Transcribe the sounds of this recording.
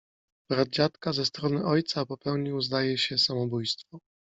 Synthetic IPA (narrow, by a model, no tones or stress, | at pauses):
b̥ɾad̪̚d͡ʑat̪kazɛst̪ɾɔnɘʔɔjt̪sapɔpɛwɲiwzd̪ajɛɕɛsamɔbujst̪fɔ